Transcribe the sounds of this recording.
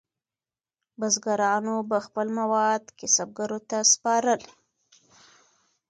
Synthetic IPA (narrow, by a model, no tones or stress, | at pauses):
bazɡaɾɑnobaxpəlmawɑd̪kɪsab̚ɡaɾot̪aspɑɾəl